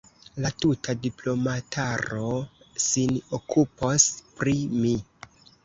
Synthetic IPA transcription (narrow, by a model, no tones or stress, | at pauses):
latutʰadiplo̞matʰaɾo̞ | sinokʰupospɾimi